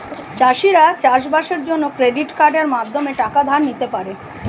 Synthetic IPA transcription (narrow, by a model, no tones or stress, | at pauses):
t͡ɕaʃiɾat͡ɕaʃbaʃeɾd͡ʑonːokɾeɖiʈkaɾɖeɾmad̪ʱomeʈakad̪ʱanːit̪epaɾe